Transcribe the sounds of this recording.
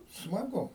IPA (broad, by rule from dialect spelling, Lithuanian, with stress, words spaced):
smɐˈɡʊ